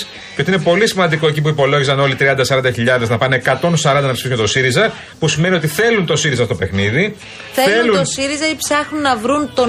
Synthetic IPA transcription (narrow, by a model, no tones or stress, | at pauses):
s | ceot̪iinepo̞lisimɐnd̪iko̞ec̬ip̬uipo̞lo̞ʝisɐno̞lit̪ɾiɐnd̪ɐsɐɾɐnd̪ɐçiʎɐðe̞znɐpɐneekɐt̪o̞nsɐɾɐnd̪ɐnɐpsiisumɐt̪o̞siɾizɐ | pusimenio̞t̪iθe̞lunt̪o̞siɾizɐst̪o̞pe̞xniði | θelenlut̪osiɾizɐipsɐxnunːɐvɾunt̪o̞